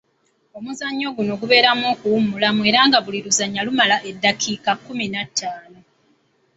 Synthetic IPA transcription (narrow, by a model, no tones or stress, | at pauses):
o̞muzaɲːo̞ɡuno̞ɡuβe̞ːɾamo̞ːkuwumulamue̞ɾaːŋɡaβuliɾuzaɲːalumalaʔe̞dːakʰikakːuminatːaːno